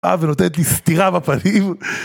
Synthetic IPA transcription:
a̰veno̞t̪enet̪̬list̪iʁabapanim

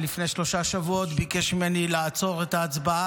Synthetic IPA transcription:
lifne̞jʃlo̞ʃaʃavuo̞t̪bikeʃmimenilaːt͡so̞ʁet̪aːt͡sbaa

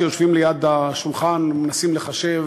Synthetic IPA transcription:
joʃvimlejad̪aʃulχanmenasimleχaʃev

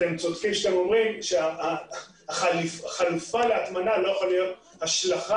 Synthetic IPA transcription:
temt͡sod̪fimʃat̪emo̞mʁimʃea | aχalifχalufaleat̪manalo̞jaχalijo̞t̪ | haʃlaχa

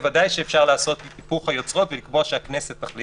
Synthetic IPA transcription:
vadajʃeːfʃaʁlaːso̞t̪lit̪ipuχhajo̞t͡sʁo̞tvelikbo̞aʃeakneset̪ːaχli

